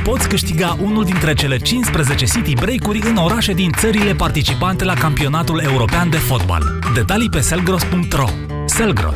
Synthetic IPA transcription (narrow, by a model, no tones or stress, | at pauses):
po̞t̪sʲkɨʃt̪iɡaʔunuld̪int̪ɾe̞t͡ʃe̞le̞t͡ʃinspɾeze̞t͡ʃe̞sit̪ibɾejkuɾʲɨno̞ɾaʃe̞d̪int̪səɾile̞part̪it͡ʃipant̪e̞lakampio̞nat̪ule̞uɾo̞peand̪e̞fo̞t̪ba̰l | d̪e̞t̪alipe̞se̞lɡɾospuŋk̚t̪ro̞̰ | se̞lɡɾo̰s